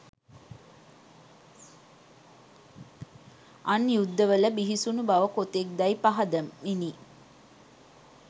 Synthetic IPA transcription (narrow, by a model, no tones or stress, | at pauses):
anjud̪ːəʋələbiɦisunubaʋəkot̪ek̚d̪ajpaɦɐd̪əmːini